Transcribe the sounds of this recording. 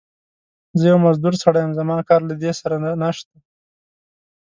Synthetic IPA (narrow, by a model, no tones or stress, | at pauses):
zəjawmazd̪uɾsaɽajamzamɑːnkɑɾlad̪esaɾananaʃt̪a